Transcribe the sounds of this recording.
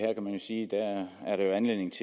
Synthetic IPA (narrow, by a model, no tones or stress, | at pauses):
heɐ̰kʰæmænjo̝siːd̥ææɐɾejo̝ænle̝ðˠne̝ŋ̩t͡sʰe